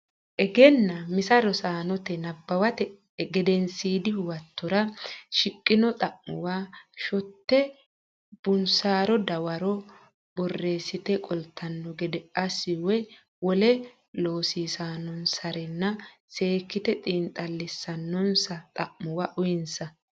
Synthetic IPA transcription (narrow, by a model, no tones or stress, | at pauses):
ʔɛɡɛnːɐmɪsɐɾɔsaːnɔt̪ɛnɐbːɐwɐt̪ɛ | ɡɛd̪ɛnsiːd̪ɪwɐt̪ʰːɔɾɐʃɪkʼːɪnɔt̪ʼɐʔmʊwaːʃɔt̪ːɛ | b̥ʊnsaːɾɔd̪ɐwɐɾɔ | bɔrːeːsɪt̪ɛkʼɔlt̪ʰːɐnːɔɡɛd̪ɛʔɐsɪwɛ | wɔlɛ | loːsiːsaːnːɔnsɐɾɛnːɐ | se̞ːkːɪt̪ɛt̪ʼiːnt̪ʼɐlːɛsːɐnːɔnsɐt̪ʼɐʔmʊwaːʔʊjɛnsɐ